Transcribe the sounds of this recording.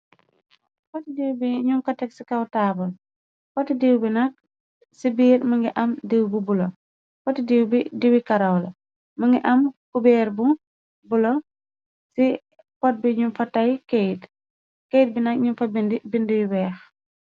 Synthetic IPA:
kɔtidiwbiɲumkɐtɛk̚si̥kɐwtaːbɐl | kɔtidiwbinɐk̚ | sibiːɾmɐŋɡiʔɐmdiwbubulo | kɔtidiwbidiwikɐɾɐwlɐ | mɐŋɡiʔɐmkubɛːɾbu | bulɔ | si | pɔt̚biɲumfɐtɐjkejt | kejt̚binɐkɲumfɐbindibindiwiwɛːx

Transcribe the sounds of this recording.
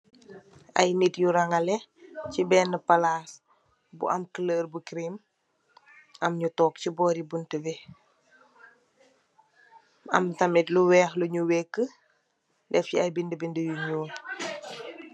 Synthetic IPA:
ɐ̰jnitjuɾaŋalɛcibɛːnːəpalas | bṵʔɐmkələːɾbukɾim | ɐmɲutɔːk̚cibɔɾibuntəwɛ | ɐ̰mtɐmitluwɛːxluɲuwɛkːə | dɛfciɐjbindəbindəjuɲuːn

